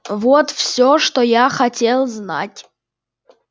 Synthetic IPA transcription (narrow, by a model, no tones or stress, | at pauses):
vɔt̪fsʲoʂt̪ojaxatʲe̞lˠzna̰tʲ